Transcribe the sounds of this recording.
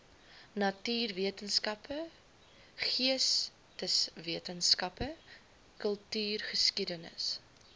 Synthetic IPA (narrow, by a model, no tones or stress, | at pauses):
nɐtyːrviətənskɐpə | χiəs | təsviətənskɐpə | kəlˠtyːrχəskidənə̰s